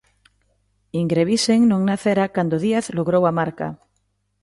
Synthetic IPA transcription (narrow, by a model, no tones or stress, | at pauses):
iŋɡɾeβiseŋnõŋnaθeɾakand̪oðiaθloɣɾowamaɾka̰